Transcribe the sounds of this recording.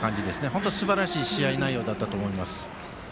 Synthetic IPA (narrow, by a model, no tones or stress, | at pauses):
kãɲ̟d͡ʑid̪e̞sɨne̞ɦo̞nt̪̬osɨbaɾaɕiːɕiainaijːo̞ːd̪at̪ːat̪oːmo̞imasɨ̥